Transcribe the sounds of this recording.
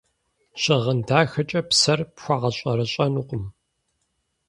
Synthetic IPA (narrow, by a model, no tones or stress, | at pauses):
ɕʼɪʁəndaːxɐt͡ʃʼɐpsɐrpxʷɑʁɐɕʼɐɾɐɕʼɐnuːqʷʼʊm